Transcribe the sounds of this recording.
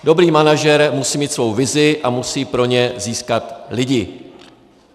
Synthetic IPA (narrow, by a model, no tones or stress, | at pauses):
do̞bɾiːmanaʒɛɾmusiːmiːt̪svo̞wvɪzɪʔamusiːpɾo̞ɲɛziːskat̪lɪɟɪ